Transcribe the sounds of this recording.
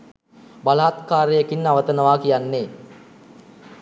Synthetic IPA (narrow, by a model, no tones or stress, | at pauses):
balaːt̪kaːɾejəkinːaʋət̪ənəʋaːkijanːe